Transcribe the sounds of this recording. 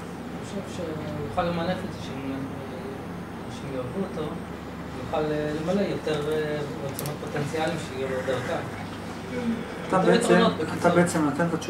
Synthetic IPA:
niχoʃevʃejuχalːemaneχezʃem | ʃemjovuoto | juχalelemale̞jot̪eʁot͡samot̪̚pot̪ent͡sialimʃeijubojot̪eʁkan | at̪abeet͡senot̪at̪abeet͡semnat̪ent̪at͡ʃ

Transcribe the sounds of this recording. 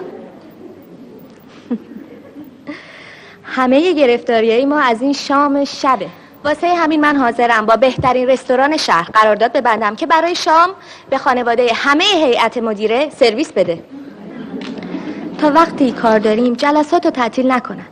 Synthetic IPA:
hæme̞je̞ɟe̞ɾe̞ft̪ɒːɾijɒːjemɒːæziːnʃɒːmeʃæbe̞ | vɒːsejehæmiːnmænɦɒːze̞ɾæmbɒːbe̞ht̪ʰæɾiːnre̞st̪o̞ɾɒːne̞ʃæhɾɢæɾɒːɾd̪ɒːd̪̚be̞bænd̪æmcʰe̞bæɾɒːjeʃɒːm | be̞xɒːne̞vɒːd̪ejehæme̞jeɦe̞jʔæt̪ʰemo̞d̪iːɾe̞se̞ɾviːsbe̞d̪e̞ | t̪ʰɒːvæɣt̪ʰiːkʰɒːɾd̪ɒːɾiːmd͡ʒælæsɒːt̪ʰot̪ʰæʔt̪ʰiːlnækʰo̞næn̥

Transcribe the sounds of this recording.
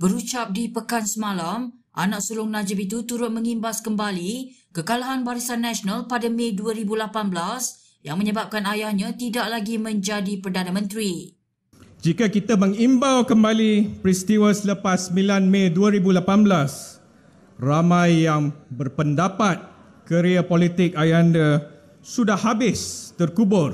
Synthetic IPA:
bəɾut͡ʃap̚dipəkansəmalamʔa̰nãʔsulʊŋnãd͡ʒɪp̬it̪ut̪uɾʊt̪̚məŋimbaskəmbalikəkalaɦanbaɾisanːaʃɔnalpadamẽduaɾibulapanblas | jaŋməɲəbap̚kanajahɲãt̪idaʔlaɡimə̃ɲd͡ʒadipərdanamə̃nt̪ɾi | d͡ʒikakit̪amə̃ŋimbawkəmbalipɾist̪iwəsələpasəmilanmẽduaɾibulapanblas | ramãjːaŋbərpəndapat̪̚ | kəɾiapolit̪ɪk̚ajanda | sudahhabɪst̪ərkubʊr

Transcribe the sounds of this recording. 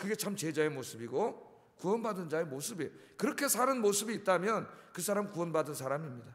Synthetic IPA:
kɯɡe̞t͡ɕʰamt͡ɕe̞d͡ʑaemosʰɯbiɡo | kuwʌnbadɯnd͡ʑae̞mosʰɯbi | kɯɾʌkʰe̞sʰaɾɯnmosʰɯbiːt̚t͈amjʌnkɯs̬ʰaɾamkuwʌnbadɯnsʰaɾamimɲida

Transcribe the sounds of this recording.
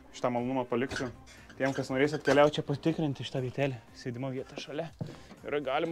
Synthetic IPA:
ʃɪ̥t̪amɐlˠoːnʊmɐːpɐlʲɪkʲt͡ʃʲʊ | t̪ʲiɛmkɐsnoːɾʲeːsʲɐt̪ʲkʲɛlʲæʊt̪ʲt͡ʃʲɛpɐt̪ʲɪkɾʲɪnt̪ʲɪʃʲɪ̥t̪ɑːʋʲiɛt̪ʲæːlʲɛsʲeːd̪ʲɪmɐʋʲiɛt̪ɐʃɐlʲɛɪɾɐɡɑːlʲɪm

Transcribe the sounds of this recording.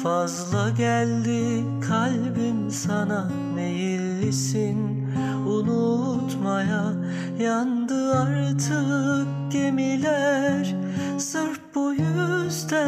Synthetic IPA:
fazlˠaɟælʲd̪i | kʰalʲ | binsana | me̞jil | sin | unu | t̪maja | jand̪ɯaɾt̪ʰɯk̚ɟe̞milʲæɾ | sɯɾpbujyzd̪æ

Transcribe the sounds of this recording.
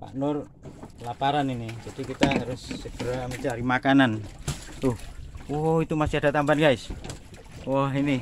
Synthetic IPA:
pa̰ʔnɔr | lapaɾaninid͡ʒadikit̪aɦaɾusːɛpəɾamit͡ʃ̪aaɾimakanant̪uhɔɦɔit̪umasiadat̪ambanɡais | wɔɦini

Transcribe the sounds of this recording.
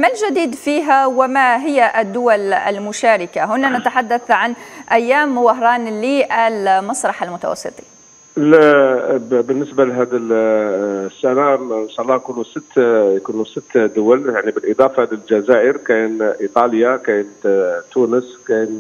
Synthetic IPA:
malʒad̪iːd̪fiːɦæwɪmaɦɪjːaʔd̪ːʊwalæ̰lmʊʃaːɾɪkaɦʊnːanæt̪aħad̪ːaθʕanʔæjːaːmːʊwɑɦɾˤɑːnliʔælmɑsˤɾˤɑħalmʊt̪a̰wɑ̰sˤːɨ̰t̪ˤi̥ | l | bənːəsbalɦæd̪əl | sːænanʃaʔɑlːɑjkunusət̪ːjkunusət̪ːd̪ʊwæljaʕnibəlʔəd̪ˤɑfɑhæd̪ilʒæzaʔəɾkænʔit̪ˤɑljakæjnt̪t̪ːunəskæn

